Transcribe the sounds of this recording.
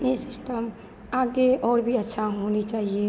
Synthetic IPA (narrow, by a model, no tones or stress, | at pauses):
esɪsʈəm | aɡeɔːɾbʱiətːʃʰaɦonit͡ʃaːɦie